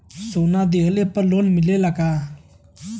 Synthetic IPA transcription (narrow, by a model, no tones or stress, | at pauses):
soːnaːd̪eːɦəleːpəloːnmɪleːlakaː